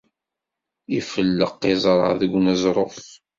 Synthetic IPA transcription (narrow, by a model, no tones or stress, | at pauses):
ifəlːəqːɪzˤɾˤə̰ʕðəɡʷːnəzˤɾˤoθ